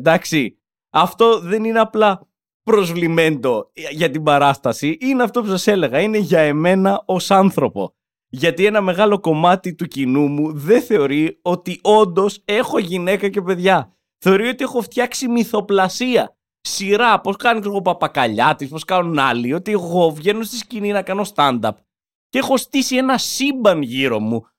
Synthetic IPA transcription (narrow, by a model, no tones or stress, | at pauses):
d̪ɐksi | ɐft̪o̞ðe̞nine̞ɐplɐ | pɾo̞zvlime̞nd̪o̞ʝɐt̪ibɐɾɐst̪ɐsiʔineɐft̪o̞p̬usɐse̞le̞ɣɐine̞ʝɐe̞me̞nɐo̞sɐnθɾo̞po̞̰ | ʝɐt̪ie̞nɐme̞ɣɐlo̞ko̞mɐt̪it̪ucinumuðe̞θe̞o̞ɾio̞t̪io̞nd̪o̞se̞xo̞ʝine̞kɐce̞pe̞ðʝɐ | θe̞o̞ɾio̞t̪ie̞xo̞ft̪çɐksimiθo̞plɐsiɐ | siɾɐpo̞skɐneksoɣo̞pɐpɐkɐʎɐt̪ispo̞skɐnonɐlio̞t̪ieɣo̞vʝe̞no̞st̪iscininɐkɐno̞st̪ɐnd̪ɐp̚ | cee̞xo̞st̪isie̞nɐsimbɐnʝiɾo̞̰mu